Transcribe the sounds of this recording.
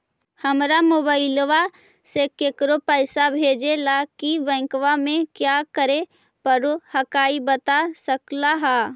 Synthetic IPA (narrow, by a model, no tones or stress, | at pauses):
həmɾamoːbaːɪlʋa | sekeːkɾopəɪsabʱeːd͡ʒelakiʋɛ̃ːkwamẽkjakəɾe | pəɾohəkaːibət̪asəklaɦaː